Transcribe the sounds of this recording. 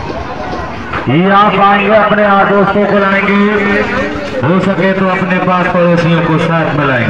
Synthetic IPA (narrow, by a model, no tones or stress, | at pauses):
ɦiːaːpaːĩŋɡeɐpneaːkosokolaːĩŋɡe | ɦoːsɐɡʱet̪oɐpnepaːspɐɽosiõkosaːt̪ʰmɪlaːɪ̃ŋɡ